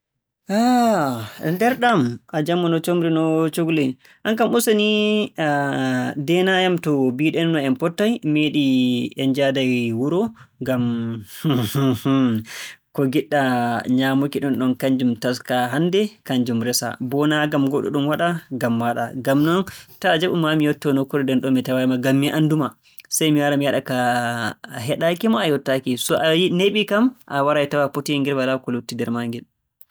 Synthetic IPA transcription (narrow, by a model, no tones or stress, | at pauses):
a | ndɛɾɗamʔad͡ʒamːɔnɔt͡ʃomɾinɔt͡ʃoɡule | ʔaŋkamusani | dɛnajamtɔbiɗɛnːɔɛmpɔtːajmeɗiɛnd͡ʒadajwuɾɔŋɡamhhh | kɔɡiɗːaɲaːmokiɗɔnɗɔnkaɲd͡ʒumtaskaɦandɛkaɲd͡ʒumɾɛsa̰bɔnaɡamɡɔɗɔ̰ɗumwaɗaɡamːaɗa̰ɡamnɔntad͡ʒaɓumamijɔtːɔnɔkːɔɗɔdɛnɗɔnmːitawajmaɡamːiʔanduma | sajmiwaɾamijaɗaka | ɦɛɗakimaːjɔtːakisɔʔajineɓikamʔawaɾajtawapotijaŋɡɛlbalakɔlutːidɛɾmaŋɡɛl